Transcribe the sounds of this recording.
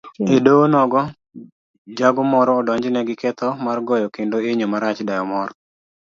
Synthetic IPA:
edonɔɡɔ | d͡ʒaɡɔmɔɾɔːdɔɲd͡ʒnɛɡɪkɛt̪ɔmarɡɔjɔkendoeɲomaɾat͡ʃdajɔmɔɾɔ

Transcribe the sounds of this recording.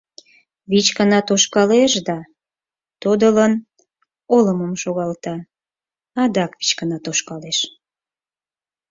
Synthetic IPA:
βit͡ɕkənɑt̪oʃkɑleʃd̪ɑ | t̪od̪ələn | oləməmʃoɣɑlt̪ɑ | ɑd̪ɑkβi̥t͡ɕkənɑt̪oʃkɑleʃ

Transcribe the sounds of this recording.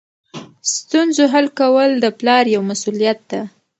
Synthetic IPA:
st̪unzoɦalkawəld̪əplɑɾjawmasulijat̪̚d̪a

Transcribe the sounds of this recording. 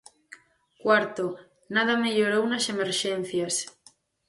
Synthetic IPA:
kwaɾt̪o | naðameʎoɾownasemeɾʃen̟θjas

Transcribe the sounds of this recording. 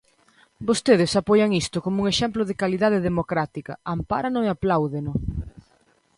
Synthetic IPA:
bost̪eðɪsapɔjaŋist̪ʊkomʊuŋeʃɛmplʊðɪkaliðað̞eðemokɾat̪ikɐ̰ampa̰ɾanʊeaplawðenʊ

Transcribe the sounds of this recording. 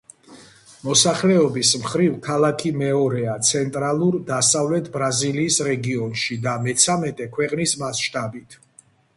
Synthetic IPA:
mɔsaχlɛɔbismχɾivkʰalˠakʰimɛɔɾɛat̪sʰɛnt̪ʼɾalˠuɾd̪asavlɛt̪ʰbɾaziliːsɾɛɡiɔnʃid̪amɛt̪sʰamɛt̪ʼɛkʰwɛqʼnismasʃt̪ʼabit̪ʰ

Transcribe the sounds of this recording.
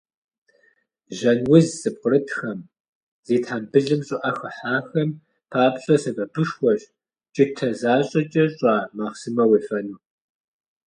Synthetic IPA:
ʒɐnwʊzsɨp̚qəɾɨtʰxɐm | z̥eːtħambɨɮɨmɕʼʊʔɐxɐħaːxɐm | pʰaːpɕʼɐsɐvɐbɨʃxʷɔɕʼ | t͡ʃʼɪtʰɐzaːɕʼɐt͡ʃʼɐɕʼaːmaːʁsɨmɐweːfɐnuː

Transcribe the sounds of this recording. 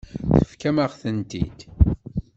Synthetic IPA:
θəfkæmaʁθənt̪ḭd̪

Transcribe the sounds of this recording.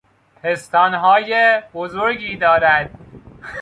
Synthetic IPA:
pʰest̪ɒːnɦɒːjebozoɾɡiːd̪ɒːɾæd̪̥̚

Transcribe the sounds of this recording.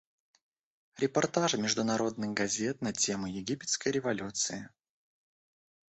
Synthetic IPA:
ɾʲɪpɐrt̪aʐɨmʲɪʐd̪ʊnɐɾo̞d̪̚nɨɣɡɐzʲe̞t̪̚nɐtʲe̞mʊjɪɡʲipʲɪt̪skəjɾʲɪvɐlʲut̪sɨɪ

